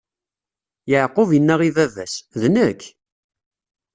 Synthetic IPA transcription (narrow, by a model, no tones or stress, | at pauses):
jəʕqːʊvjənːæʁivævæ̰sðnəkː